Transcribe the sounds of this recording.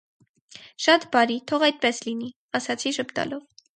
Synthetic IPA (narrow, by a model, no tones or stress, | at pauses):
ʃɑt̪bɑɾit̪ʰɔʁɑjt̪̚pɛslini | ɑsɑt͡sʰiʃəpt̪ɑ̰lɔv